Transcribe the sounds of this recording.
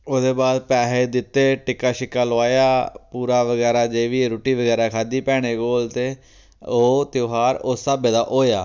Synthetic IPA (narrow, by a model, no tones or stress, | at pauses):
oːd̪eːbaːd̪pɛːɦeːd̪ɪt̪ːeːʈɪkːaːʃɪkːaːloaːjaːpuːɾaːʋəɡɛːɾaːd͡ʒeːʋiːɾoːʈiːʋəɡɛːɾaːkʰaːd̪iːpɛːɽ̃eːɡoːlt̪eː | oːt̪joːɦaːɾoːsabeːd̪aːʔoːjaː